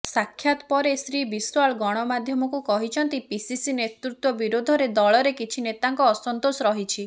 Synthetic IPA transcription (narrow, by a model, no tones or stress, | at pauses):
sakʰːjat̪ɔpɔɾesɾibiswaɭɡɔɽ̃ɔmad̪ʱjɔmɔkukɔɦit͡ʃʰɔnt̪ipisisinet̪ɾut̪wɔbiɾod̪ʱɔɾed̪ɔɭɔɾekit͡ʃʰinet̪aŋkɔːsɔnt̪osɔɾɔɦit͡ʃʰi